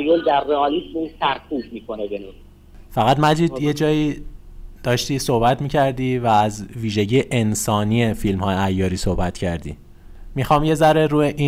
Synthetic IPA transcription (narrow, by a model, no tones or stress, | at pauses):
jold̪æɾriɒːlismusæɾkʰuːbmiːkʰonebenu | fæɣæd̪mæd͡ʒiːd̪je̞d͡ʒɒːjiː | d̪̥ɒːʃt̪iːsohbæt̪miːcʰæɾd̪iːvæːzviːʒe̞ɟiːeʔensɒːniːefilmhɒːjeæjːɒːɾiːsohbæt̪cʰæɾd̪ḭː | mixɒːmje̞zæɾeɾuːjeʔiː